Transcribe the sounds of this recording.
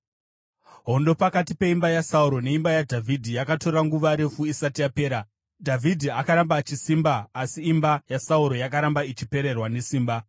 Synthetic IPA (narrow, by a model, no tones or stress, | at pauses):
ɦo̞ndo̞pakatipe̞imbajasauɾo̞ne̞imbajadʱavʱidʱijakato̞raŋɡuʋaɾe̞fuisatijape̞ːɾa | dʱavidʱiakaɾambat͡ʃisimbaːsiːmbajasauɾo̞jakaɾambait͡ʃipe̞ɾe̞rwane̞siːmba